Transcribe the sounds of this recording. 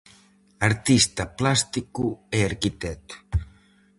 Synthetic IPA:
əɾt̪ist̪əplast̪ikueaɾkit̪ɛt̪

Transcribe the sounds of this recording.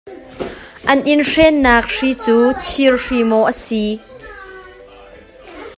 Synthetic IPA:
ʔɐnʔinrɛːnːaːk̚r̥iːt͡suːt̪ʰirrimɔʔəsi

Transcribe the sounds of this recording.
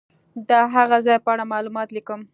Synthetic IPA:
d̪əɦaɣazɑjpəaɽamɑlumɑt̪likəm

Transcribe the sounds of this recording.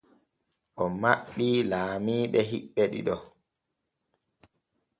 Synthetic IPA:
ʔɔmaɓːilaːmiːɓɛɦiɓːɛɗḭɗɔ

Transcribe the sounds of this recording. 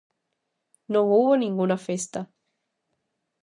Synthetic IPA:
nõŋuβonĩŋɡunɐfest̪ɐ

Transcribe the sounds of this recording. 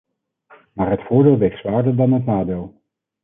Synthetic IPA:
maːɹɦətfʊːɹdeːlˠʋejχtsʋaːɹdəɹdɑnɦətnaːdeːlˠ

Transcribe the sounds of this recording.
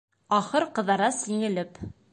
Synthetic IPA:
ɑχɤɾqɤ̆ðɑɾɑsiŋɘ̆lɘp

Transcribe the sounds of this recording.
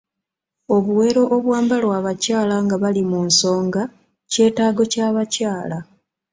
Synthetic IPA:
o̞βuwe̞ːɾo̞ʔːβwaːmbalwaːβacaːlaŋɡaβalimunso̞ːŋɡa | ce̞ːtaːɡo̞caːβacaːla

